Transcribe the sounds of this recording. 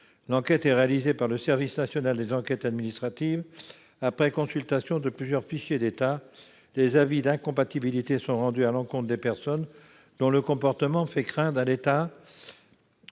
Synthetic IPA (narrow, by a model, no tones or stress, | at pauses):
lɑ̃kʲɛt̪ɛʁealizepaʁləsɛʁvisnasjɔnald̪ezɑ̃kʲɛt̪ad̪minist̪χat̪iv | apχɛkɔ̃sylt̪asjɔ̃d̪əplyzjœʁfiʃjed̪et̪a | lezavid̪ɛ̃kɔ̃pat̪ibilit̪esɔ̃ʁɑ̃d̪yalɑ̃kɔ̃t̪χd̪epɛʁsɔn | d̪̥ɔ̃ləkɔ̃pɔʁt̪əmɑ̃fɛkχɛ̃t̪alet̪a